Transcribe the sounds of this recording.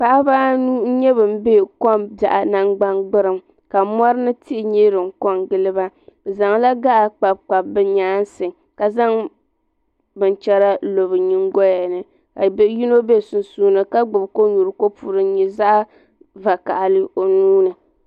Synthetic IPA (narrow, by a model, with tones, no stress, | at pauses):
k͡pa˦ʔa˦ba˦nuː˦n̩˦ɲɛ˦bɨ˨m˦beː˦˨ko˦mba̰˨ʔa˨na˦ŋɡ͡ba˦nɡ͡bɨ˦ɾɨ˦m | ka˨mʷa˦ɾɨ˦nɨ˦ti˦ʔɲeː˦ɾɨ˨ŋ˦ko˦ŋɡɨ˦lɨ˦ba˦˨za˨ŋla˦ɡa˦ʔa˨k͡pa˨b̚k͡pa˨bbɨ˦ɲaː˦n˦sɨ˨ŋ | ka˨za˦ŋ | bɨ˨nt͡ʃɛ˦ɾa˦lo˨βɨ˨ɲi˦ŋɡɔ˦ja˨nɨ˨ | ka˨bji˦no˦be˦˨su˨n˨suː˦nɨ˨ka˦ɡ͡bɨ˨bko˦ɲu˨ɾɨ˨ko˦pʰu˨ɾɨ˦ɲɛ˨za˦ʔa˦ | va˨ka̰˨ʔa˨lɨ˦o˨nuː˦nɨ˨